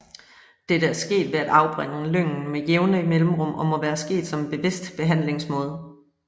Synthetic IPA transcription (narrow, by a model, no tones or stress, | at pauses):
d̥e̝ɾææɐsɡ̥e̝̰ːd̥ʋe̝æd̥ɑ̈ʊb̥ʁeŋ̰̩løŋ̰n̩mejeʊnəimelm̩ʁɔ̽m̰ɒ̽mɒ̽ʋæːɐsɡ̥e̝̰ːd̥sɒ̽meb̥e̝ʋe̝sd̥b̥e̝ɦæn̰le̝ŋsmɔ̽ːð̞ˠ